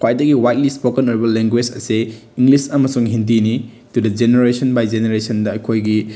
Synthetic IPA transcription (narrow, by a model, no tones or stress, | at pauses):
kʰwajdɐɡiwajt̚lispokenoɾibɐleŋɡwed͡ʒɐ̰se | iŋɡlisɐmɐsuŋɦindini | tudɐd͡ʒeneɾesɐnbajd͡ʒeneɾesɐndɐɐjkʰojɡi